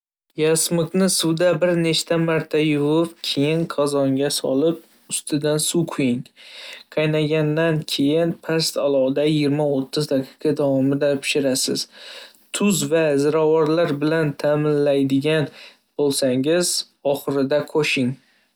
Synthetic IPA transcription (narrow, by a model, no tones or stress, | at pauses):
jasmʊknɪsuwd̪abɪɾne̞ʃt̪ʰamaɾt̪ʰajʊvʊpkʲʰe̞jɪnqʰɑzɒŋɡʲasɒ̰lɪp̚ | ʊst̪ʰɪd̪ansuqʰʊjɪŋqʰɑjnaɡʲand̪ankʲʰe̞jɪnpʰast̪alˠɒd̪ajɪɡʲɪɾmaot̪ʰːɪzd̪aqʰi̥qʰɑd̪avɒmɪd̪apʰɪ̥ʃɪɾasɪz̥ | t̪ʰʊzvazɪɾawɒɾlaɾbɪlant̪ʰamɪnlajd̪ɪɡʲan | b̥olˠsaŋɪz | ɒχɨɾɪd̪aqʰoʃɪŋ